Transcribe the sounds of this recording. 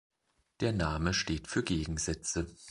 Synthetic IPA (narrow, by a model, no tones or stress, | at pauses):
d̥eːɐnaːməʃteːtfyːɐɡeːɡŋ̩zɛt͡sə